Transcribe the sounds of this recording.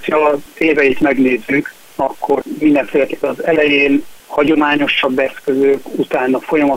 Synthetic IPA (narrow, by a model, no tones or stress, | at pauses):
tɒeːvɛit̪mɛɡneːzːyk | ɒkːo̞rmind̪ɛɱfeːlɛk̪epɛnɒzɛlɛjeːnhɒɟo̞maːɲo̞ʃɒbːɛskø̞zøːkut̪aːnːɒfo̞jɒmɒ